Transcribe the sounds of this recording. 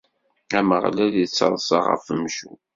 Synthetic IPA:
æməʁlælit͡sːɑ̰ðˤsɑ̰ʁə̰fəmʃu

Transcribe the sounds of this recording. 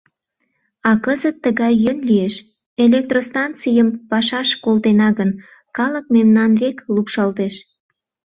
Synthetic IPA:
ɑkəzət̪ːəɣɑjːønlijeʃ | elek̚t̪rost̪ɑnt͡sijəmpɑʃɑʃkolt̪enɑɣən | kɑlək̚memnɑnβeklupʃɑlt̪eʃ

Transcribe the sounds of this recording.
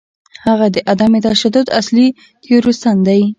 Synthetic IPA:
haɣad̪əʔad̪amet̪aʃad̪ʊd̪a̰sli | t̪ʰeɾost̪and̪aj

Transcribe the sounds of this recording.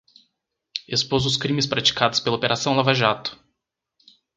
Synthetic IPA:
espozʊs̬kɾĩmɪspɾat͡ʃi̥kad̪ʊspelɐopeɾʔasɐ̃w̃lavaʒat̪ʊ̥

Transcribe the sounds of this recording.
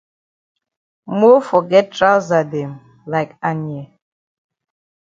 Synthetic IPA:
mɔfɔɡɛt̚tɹaʊzadɛ̃m | laɪkanjɛ

